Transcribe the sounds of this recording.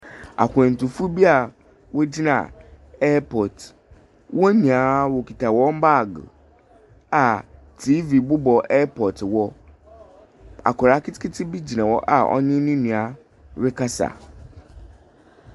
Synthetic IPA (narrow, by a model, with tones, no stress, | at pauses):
a̰˨kʰʷʊ˨ɛ̃˨n˨tu˨fu˦bi˦a˨ | wo˦d͡ʑi˦nã̰˨ | ɛ˦pʰɔ˨t | wɔ˦nũ˨a˨˦wo˨kʰi˨tʰa˨wɔ̃˦m̩˦ba˦˨ɡ | a˨ | tʰi˦vi˨bʊ˦bɔ˨ɛ˦pʰɔ˨twɔ˦ | a̰˨kʰɔ˨ɾa˨˦kʰɪ˦tɪ̥˦kʰɪ˦tʰɪ˦bi˦d͡ʑi˨nã˨wɔ˦ʔa̰˨ɔ̰˦ɲɪ̃˦nʊ̃˦nũ˨a˨ | ɾɪ˦kʰa˦sa̰˨